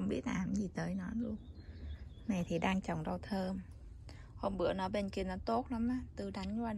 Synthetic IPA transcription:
wŋ͡mɓi˦˥ət̚ʔa̰ː˨˩mzi˨˩t̪əː˨˦jnɔ˨˦jlu˧ən | na˨˩jt̪ʰi˨˩ɗaː˧ŋt͡ɕɔ˨˩wŋ͡mɗə˧wt̪ʰəː˧m | ho˧mɓɨ̰˧˩ənɔ˨˦jɓe˧nki˧ənɔ˨˦t̪o˦˥t̚la˨˦mʔaː˨˧˦t̪ɨ˧˩ɗa˨˦jŋ̟kwaː˧

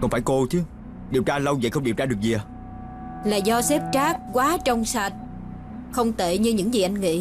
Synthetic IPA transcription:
kɔ˧nfaː˧˩jko˧t͡ɕɨ˨˦ | ɗi˨˩əwt͡ɕaː˧lə˧wzə̰˧˨jxə˧wŋ͡mɗi˨˩əwt͡ɕaː˧ɗək̚zi˨˩ə˨˩ | laː˨˩zɔ˧sɛ˦˥p̚t͡ɕaː˦˥k̚kwaː˨˦t͡ɕɔ˧wŋ͡msa˧˩t̚ | xə˧wŋ͡mt̪ḛ˧˨ɲɨ˧ɲɨ̰˧˥ŋzi˨˩ʔa˧jŋ̟ŋḭ˧˥

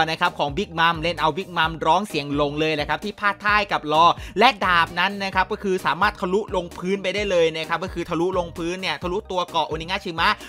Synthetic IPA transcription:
na˦˥kʰa˦˥p̚kʰɔː˩˦ŋbi˦˥˩k̚ma˧˥mle˥˩nʔa˧wbi˦˩k̚ma˧mɾɔː˦˥ŋsi˨˩˦əŋlo˧ŋlɤː˧jla˨˩kʰa˦˥t̪ʰiː˥˩pʰaː˥˩t̪ʰːaː˥˩jka˨˩p̚lɔː˧˩lɛ˦˥ʔdaː˨˩p̚na˦˥nːa˦˥kʰa˦˥p̚kɔː˥˩kʰɯː˧saː˨˦maː˥˩t̪̚kʰa˧lu˦˥ʔlo˧ŋpʰɯː˦˥npa˧jdaː˥˩jlɤː˧jna˦˥kʰa˦˥p̚kɔː˥˩kʰɯː˧t̪ʰa˧lu˦˥ʔlo˧ŋpʰɯː˦˥nːi˥˩ɐt̪ʰa˧lu˦˥t̪u˧ɐkɔ˨˩ʔo˧niː˦ŋaː˥˩t͡ɕʰi˧ma˦˥ʔ

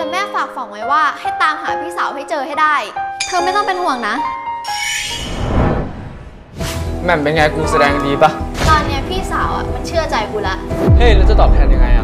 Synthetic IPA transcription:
lɛː˦˥mɛː˥˩faː˨˩k̚fa˨˩˦ŋwa˦˥˩jwaː˥˩ha˥˩jt̪aː˧mɦaː˩˦pʰiː˥˩saː˩˦wɦa˥˩jt͡ɕɤː˧ha˥˩jdaː˥˩jk̪ʰɤː˧ma˥˩jt̪ɔ˥˩ŋpe˧nhu˨˩əŋna˦˥ | mɛ˧˩npe˧nŋaː˧jkuː˧sa˧dɛː˧ŋdiː˧pa˦˥t̪ɔː˧nːi˦˥ɐpʰiː˥˩saː˩˦wʔa̰˨˩ma˧nt͡ɕʰɯ˥˩ɐt͡ɕa˧jkuː˧˩la˦˩ʔhe˦˥˩jlɛː˦˥t͡ɕa˨˩t̪ɔː˨˩p̚t̪ʰɛː˧nja˧ŋa˧jʔa˧

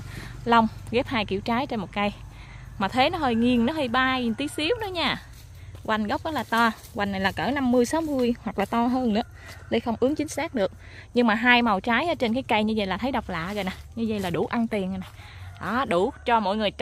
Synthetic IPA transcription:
lə˧wŋ͡mɣɛ˦˥p̚haː˧jkḭ˧˨əwt͡ɕaː˨˦jt͡ɕe˧nmo˨˩t̚kə˧jmaː˨˩t̪ʰe˨˦nɔ˨˦ɦəː˧˩jŋi˨˩ənnɔ˨˦ɦə˧jɓaː˧jt̪i˨˦ət̚si˨˦əwnɔ˨˦ɲaː˧˩ | ɣwa˨˩jŋ̟ɣə˦˥wk͡p̚ʔaː˨˦laː˨˩t̪ɔ˧ | wa˨˩ŋna˨˩jlaː˨˩kəː˧˩na˧mːɨ˧əjsaː˨˦wmɨ˧əjhwa˨˩k̚laː˨˩t̪ɔ˧ɦəː˧nnɨ̰˧˥ə | lə˧˩jxə˧wŋ͡mʔɨ˨˦əŋt͡ɕï˨˦ŋ̟saː˦˥k̚ɗɨ˨˩ək̚ | ɲɨ˧ŋmaː˨˩ɦaː˧jma˨˩wt͡ɕaː˨˦jʔt͡ɕe˧nkaː˨˦jkə˧jɲɨ˧zə̰˧˨jlaː˨˩t̪ʰə˨˦jɗa˨˩wk͡p̚la̰ː˧˨ɣə˨˩na˨˩ɲɨ˧zə̰˧˨jlaː˨˩ɗu˧˩ʔa˧nt̪i˨˩ən˨˩na˨˩j | ʔɔ˨˩ɗu˧˩t͡ɕɔ˧mo̰˧˨jŋɨ˨˩əj

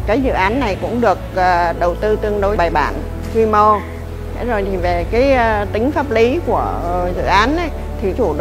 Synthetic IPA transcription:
kaː˨˦jzɨ̰˧˨ʔaː˨˦nːa˨˩jkʊ̰˧˥ŋ͡mɗɨ˨˩ək̚əː˨˩ɗə˨˩wt̪ɨ˧t̪ɨ˧əŋɗo˨˦jɓaː˨˩jɓa̰ː˧˩n | kwi˧mo˧ | t̪ʰe˨˦zo˨˩jt̪ʰi˨˩ve˨˩kaː˨˦jt̪ï˨˦ŋ̟faː˦˥p̚li˨˦ku˧˩əzɨ̰˧˨ʔaː˨˦nʔə˨˦j | t̪ʰi˨˩t͡ɕu˧˩ɗ

